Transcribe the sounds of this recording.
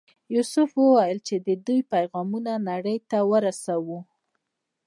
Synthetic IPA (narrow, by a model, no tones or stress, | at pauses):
jusʊfwəwajəlt͡ʃed̪əd̪ujpajɣɑmunanaɽəjt̪awəɾasawu